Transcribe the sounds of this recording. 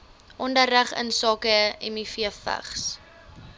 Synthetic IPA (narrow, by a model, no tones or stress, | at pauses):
ʔɔndərəχə̰nsɑːkəɛmifiəfə̰χs